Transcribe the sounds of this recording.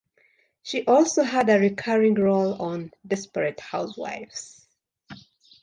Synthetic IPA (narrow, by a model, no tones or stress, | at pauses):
ʃiʔɔlˠsoɦədɨɹikʰɜɹɪ̃ŋɹolɔ̃ndɛspəɹɨthaʊswa̰ɪfs